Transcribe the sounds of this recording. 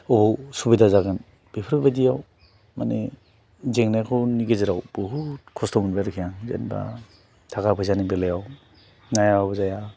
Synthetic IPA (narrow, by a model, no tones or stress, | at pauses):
ɔbɔwsubidazaɡɯn | b̥epʰɯɾɯk̚badijaw | mane | zeŋnajkʰɔniɡeziɾawb̥ɯɦukʰɔstɔmunbajɾkʰijaŋzḛnba̰ | tʰakapʰɯjzanibelejaw | najabzaja